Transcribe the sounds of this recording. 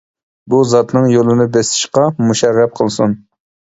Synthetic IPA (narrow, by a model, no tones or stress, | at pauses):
buzɑt̪nɨŋjolˠɨnɨbɛsɪ̥ʃqɑmuʃɛɾːɛp̚qʰəlˠsun